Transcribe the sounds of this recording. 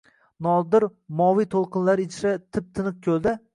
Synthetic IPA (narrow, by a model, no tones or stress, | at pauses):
nɒd̪ɪɾmɒwijt̪ʰolˠqʰɨnlaɾɪt͡ʃʰɾat̪ʰɪp̚t̪ʰɪnɨq̚kʲʰɵlˠd̪ɪ